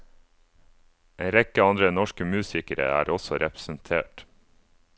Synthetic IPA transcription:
ʔeːnɾɛkəɑnd̪ɾənɔʃkəmʉːsɪkəɾə̰æːɾɔsɔɾɛpəsən̩t̪ʰḛːʈ

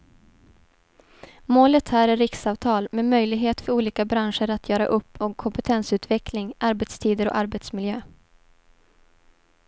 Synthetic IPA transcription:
moːlət̪hæːɾæɾɪksɑːvt̪ʰɑːlmemœjlɪɡɦeːt̪fœɾuːliːkabɾanʂəɾat̪ʰjœːɾa̰ʔɵpːɔkkʰːɔmpɛt̪ʰɛnsʉ̟ːt̪vɛklɪŋaɾbɛt̪st̪ʰiːd̪əɾɔ̰ʔaɾbɛt̪smɪljøː

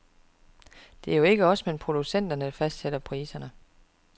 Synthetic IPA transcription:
d̥e̝æɐjo̝e̝ɡ̥əɒ̽smenpʰʁod̥usen̰d̥ɐnə̥fæsd̥seɾ̥ɐpʰʁiːsɐnə

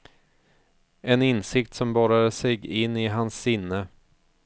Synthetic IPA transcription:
ɛnɪnsɪk̚t̪sɔmbɑːɾad̪əsɛɡɪnːɪɦansːɪnːə

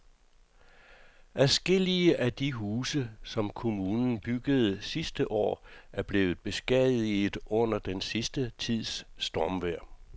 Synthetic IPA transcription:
ʔæsɡ̥e̝l̰iəʔæd̥iɦuːsəsɒ̽mkʰo̝muːnn̩b̥yɡ̥əð̞̩ˠsisd̥əʔɒ̰ːʔæɐb̥le̝ːð̩ˠb̥e̝sɡ̥ɛðˠiið̩ˠɔ̽n̰ɐd̥ensisd̥ət͡sʰið̞̰ˠsːd̥ɒmʋæɐ̰

